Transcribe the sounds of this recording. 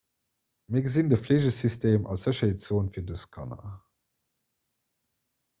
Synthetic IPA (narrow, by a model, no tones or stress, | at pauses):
miɐɡəzindəfleːʑəsystʰeːmʔɑ̰lsz̥əɕɐɦetz̥oːnfiːɐdəskʰɑ̰nɐ̰